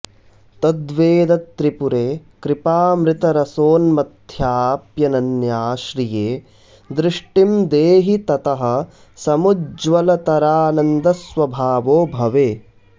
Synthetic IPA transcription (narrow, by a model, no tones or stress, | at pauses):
t̪ɐd̪ʋeːd̪ɐt̪ːɾipuɾeːkɾɪpaːmɾɪt̪ɐɾɐsoːnmɐd̪ʱjaːpjɐnɐnjaːʃɾijeː | d̪ɾɪʂʈimd̪eːɦit̪ɐt̪ɐɦɐ̆ | sɐmud͡ʒʋɐlɐt̪ɐɾaːnɐnd̪ɐsʋɐbʱaːʋoːbʱɐʋeː